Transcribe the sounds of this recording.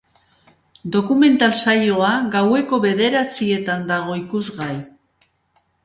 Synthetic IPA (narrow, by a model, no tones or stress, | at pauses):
d̪o̞kume̞nt̪alsajo̞aɡawe̞ko̞βe̞ðe̞ɾat͡sie̞t̪and̪aɣ̞o̞ikuzɣaj